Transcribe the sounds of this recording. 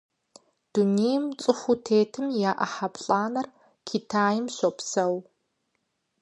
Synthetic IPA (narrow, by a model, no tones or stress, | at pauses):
d̥unejmt͡sʼɨxʷutʰeːtʰɨmjaːʔɐ̰ħapɬʼaːnɐr | kʰitʰaːjɪmɕopsɐw